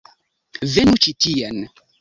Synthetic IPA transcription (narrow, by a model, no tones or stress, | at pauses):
venut͡ʃitian